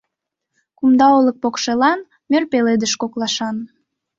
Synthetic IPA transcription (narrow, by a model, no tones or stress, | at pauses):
kumd̪ɑolək̚pokʃelɑn | mørpeled̪əʃkoklɑʃɑn